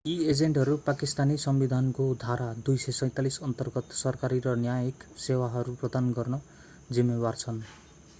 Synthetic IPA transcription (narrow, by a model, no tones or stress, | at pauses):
ied͡zeɳʈɦʌɾupakist̪anisʌmbid̪ʱankod̪ʱaɾad̪ujsesʌ̃j̃t̪alisʌnt̪ʌrɡʌt̪sʌrkaɾiɾʌnjajeksewaɦʌɾuprʌd̪anɡʌrnʌ | d͡zimːebart͡sʰʌn